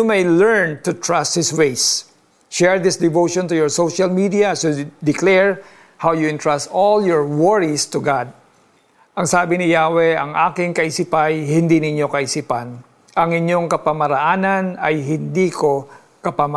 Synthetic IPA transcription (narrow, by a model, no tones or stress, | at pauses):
umejlɛɹnt̪ʊt̪ɹast̪̚hɪswejs | ʃɛɹd̪ɪsd̪ɪvowʃɔ̃nt̪ʊjɔɹsowʃalmid̪iasud̪ɪklɛɹ | hawjʊɪ̃nt̪ɹast̪oljɔɹwɔɹist̪ʊɡad̪̚ | ʔɐŋsaːbɪnɪjaːwɛʔɐŋʔa̰ːkɪŋkɐʔɪsipajhɪnd̪inɪɲo̞kɐʔɪsiːpɐn | ʔɐŋɪɲo̞ŋkɐpɐmɐɾɐʔaːnɐnɐjɦɪnd̪iːko̞ | kɐpama